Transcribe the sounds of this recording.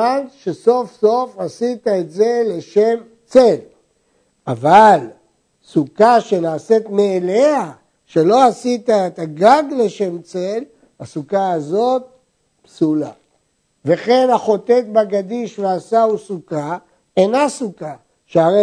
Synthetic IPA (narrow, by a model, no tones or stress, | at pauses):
anʃe̞so̞fso̞fasit̪aet̪ze̞le̞ʃe̞m | t͡sel | aval | sukaʃe̞naːset̪meːlea | ʃe̞lo̞asit̪aet̪aɡaɡle̞ʃe̞mt͡se̞l | asukaazo̞t̪̚ | psula̰ | ve̞χe̞nhaχo̞t̪e̞t̪baɡad̪iʃveasausuka | enasuka | ʃeaʁe